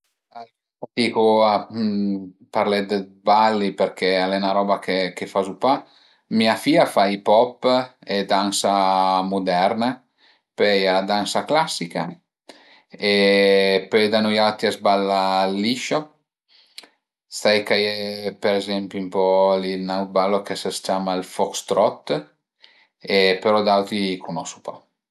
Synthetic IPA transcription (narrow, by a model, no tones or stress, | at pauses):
aliat̪ikoa | paɾlɛd̪ebalːipeɾkʰɛalɛnaɾɔbakʰekefazupa | miafiafajpɔpːed̪ansamud̪ɛɾna | pɛjad̪ansaklasːika | eped̪anujawt̪iazbalːalːiʃo | st̪ajkajepeɾezɛmpjumpɔlinaw̚balokesast͡ʃamailfɔkst̪ɾɔt̪ː | epeɾɔd̪awt̪ikunɔsu̥pa̰